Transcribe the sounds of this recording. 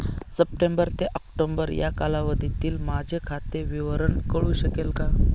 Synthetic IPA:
səp̚ʈembəɾt̪eʔɔkʈombəɾja̰kalaʋəd̪ʱit̪iːlmad͡ʑʱekʰat̪eʋiʋəɾəɳkəɭuɕəkelka

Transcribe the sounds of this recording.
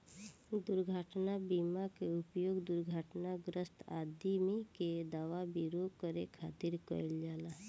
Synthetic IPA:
d̪ʊɾɡʱəʈnabimakeʊpjoːɡd̪ʊɾɡʱəʈnaɡɾəst̪a̰d̪imẽked̪aʋabiɾokəɾekʰaːt̪iɾkəɪld͡ʒaːlaɦ

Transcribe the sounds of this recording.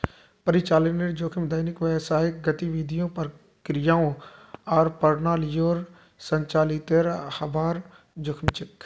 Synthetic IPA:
pəɾɪt͡ʃaːləneɾd͡ʒoːkʰɪmd̪əjnɪkʋɛːsaːɦɪk̚ɡət̪iʋiːd̪ʱijõːpɐɾ | kɾɪjaːõɔːɾpəɾnaːlɪjoːɾ | səɲt͡ʃaːlit̪eɾhɐbaːɾ | d͡ʒoːkʰmt͡ʃɪk

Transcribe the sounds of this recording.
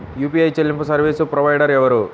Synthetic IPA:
juːpiɐjt͡ʃelːimpɐsɐɾʋiːsupɾɔʋɐjɖɐɾɛʋɐɾu

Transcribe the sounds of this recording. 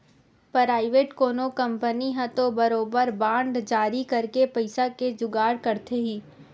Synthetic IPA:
pɾaːɪʋeːʈkoːnokɐ̃mpəniɦɛ̃t̪obɐɾoːbəɾbãːɳɖd͡ʒaːɾikɐɾkepɐɪsaked͡ʒʊɡaːɽkɐɾt̪ʰeɦiː

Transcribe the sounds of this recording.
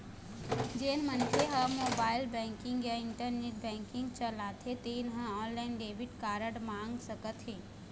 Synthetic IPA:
d͡ʒeːnmənt͡ʃʰeɦəmoːbaːɪlbɛ̃ŋkɪ̃ŋɡjaɪɳʈəɾneʈ̚bɛ̃ːŋkɪŋɡt͡ʃəlat̪ʰet̪enɦə̃ɔːnlaɪnɖeːʋiʈkaːɾəɽmãŋɡsəkət̪ɦeː

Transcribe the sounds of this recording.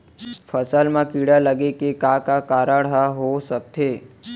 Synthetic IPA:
fʰəsalmãkiɽaləɡekekakakaɾaɽɦaɦosət̪ʰe

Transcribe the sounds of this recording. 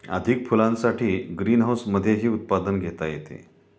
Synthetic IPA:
ə̰d̪ʱikfulãnsaʈʰiːɡɾiːnɦawsməd̪ʱːjeɦiːut̪̚pad̪ənɡʱet̪ajet̪ḛ

